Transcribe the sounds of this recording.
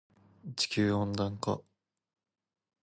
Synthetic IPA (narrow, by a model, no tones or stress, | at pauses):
t͡ɕi̥kʲɨːõnd̪ãŋka̰